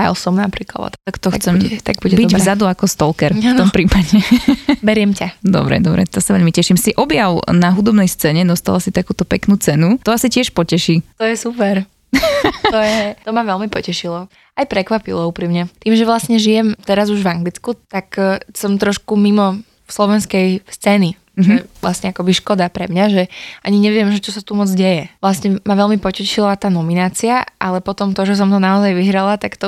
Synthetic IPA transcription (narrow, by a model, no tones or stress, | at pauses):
ajɔ̰sɔmnapɾiːkla̰d̪ɔ̰t̪t̪akt̪ɔxt͡sɛmɛt̪aɡ̚buɟɛbiɟvzad̪uakɔst̪ɔlkɛɾafnɔmpɾiːpaɟɛbɛɾɪɛmcad̪ɔ̰bɾɛ̰d̪ɔbɾɛ̰t̪ɔsaʋɛʎmicɛʃimsiʔɔbjaʊnaɦud̪ɔbnɛjst͡sɛːɲɛd̪ɔst̪alasit̪akuːt̪ɔpɛknuːt͡sɛnut̪ɔasicɪɛʃpɔcɛʃiːt̪ɔjɛsupɛɾ | ɔjɛt̪ɔmaʋɛlmipɔcɛʃilɔ | ajpɾɛkʋapilɔupɾimɲɛt̪iːmʒɛʋlasɲɛʒijɛmt̪ɛɾazuʒʋaŋɡlit͡skut̪aksɔmt̪ɾɔʃkumimɔ | fslɔʋɛnskɛjst͡sɛːni | ʒɛɛʋlasɲɛakɔbiʃkɔd̪apɾɛmɲaʒɛaɲiɲɛʋɪɛmʒɛt͡ʃɔsat̪umɔd͡zɟɛjɛʋlasɲɛmaʋɛlmipɔcɛʃilat̪aːnɔminaːt͡siaʔalɛpɔt̪ɔmt̪ɔʒɛs̬ɔmt̪ɔnaɔzajʋiɦɾalat̪akt̪ɔ